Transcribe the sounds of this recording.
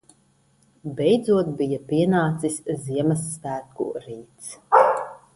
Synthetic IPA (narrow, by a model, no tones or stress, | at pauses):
bɛjd̪zuɔt̪̚bijapiɛnaːt̪sisʲziɛmɐsːtæːkṵɾiːt̪s